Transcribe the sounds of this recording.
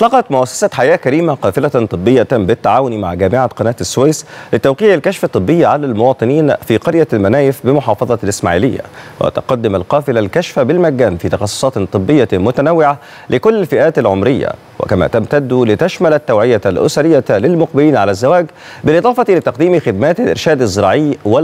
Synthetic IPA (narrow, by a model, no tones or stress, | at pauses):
ʔɑt̪ˤlːɑqɑt̪mʊʔæsːḁsæħajæːʔkæɾiːmaqɑːfɪlat̪ˤɨbːɪjːabɪt̪ːaʕaːwʊnimaʕɡæːmɪʕaqɑnæːt̪ɪsːʊwejslɪt̪æwqiːʕɪlkæʃfæt̪ˤːɨbːɪjːaʕalælmowɑːt̪ˤɨniːnfiːqɑɾjalmænæːjɪfbɪmoħɑːfɑðˤɑlʔɪsma̰ʕḭːlɪjːæ̰wʔḛt̪ʊqɑd̪ːɪmalqɑːfɪlalkæʃfabɪlmæɡːæːnfiːt̪ɑxɑsˤːo̥sˤɑːt̪t̪ˤɨbːɪjːamʊt̪ænawːɪʕa | lɪkʊlːɪlfɪʔæːt̪alʕomɾɪjːa̰ | wɪ̰kæmæ̰t̪amt̪æd̪ːulɪt̪æʃmælæt̪ːawʕɪjalʔʊ̰saɾɪjːalɪlmʊq̚bɪliːnʕalæzːawæːɡ | bɪlʔɨd̪ˤɑːfɑt̪ilɪt̪ɑqd̪iːmixɪd̪mæːt̪alʔɪ̰ɾʃæːd̪ɪzːɪɾˤɑːʕɪjwɪ